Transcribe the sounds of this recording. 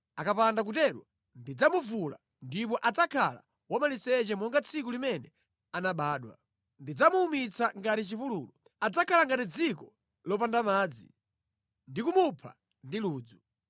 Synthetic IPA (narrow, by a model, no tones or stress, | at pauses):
akapandak̬utɛɗwa | ndid͡zamuvula̰ | ndipɔʔad͡zakʰala̰ | wamalisɛt͡ʃɛmɔŋɡat͡sʰikulimɛnɛ | anaɓaːɗwa̰ | ndid͡zamuːmit͡sʰaŋɡatit͡ʃipuluːlɔ | ad͡zakʰalaŋɡatid͡zikɔ | lɔp̬andamaːd͡zḭ | ndikumupʰa̰ | ndiluːd͡zu